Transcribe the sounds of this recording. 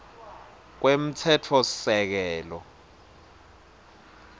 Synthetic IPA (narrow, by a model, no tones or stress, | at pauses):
k̬wem̩tʰɛtʰɔsɛk̬ɛːlɔ